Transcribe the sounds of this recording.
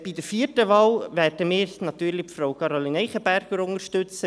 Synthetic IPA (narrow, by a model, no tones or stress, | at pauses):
b̥idəɾfiːətəʋɑːlvɛːrdəmiːɾnɑt̪yːɾlipfɾowkʰɑɾolinɛɪχəbæɾɡ̥əɾʊŋəɾʃtɵt͡sə